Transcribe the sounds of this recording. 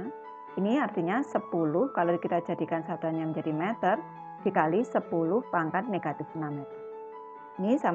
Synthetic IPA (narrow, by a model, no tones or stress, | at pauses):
iniart̪iɲasəpulʊhkalokit̪ad̥d͡ʒ̥a̤d̪̥i̤kansad̪̥a̤ɲamənɲd͡ʒad̥imɛt̪ər | d̪̥i̤kalisəpulʊhpaŋkat̪̚neɡ̥at̪ɪfnam | inisam